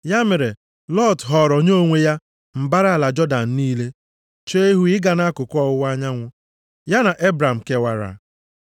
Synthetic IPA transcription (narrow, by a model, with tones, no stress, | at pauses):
ja˦me˨ɾe˨ | lɔ˦˨tɦɔ˨ɾɔ˨ɲ˦o˦ŋʷe˦ja˦ | m̩˨ba˦ɾa˦˨la˨d͡ʒɔ˦da˨n̩˨niː˦le˦ | t͡ʃe˦e˦ɦu˦ɪ˦ɡa˨na˦kʊ˨kʷɔ˦a˦ɲa˦ŋʷʊ˦ | ja˦na˨ʔe˦bɾa˨m̩˨ke˦wa˦ɾa̰˨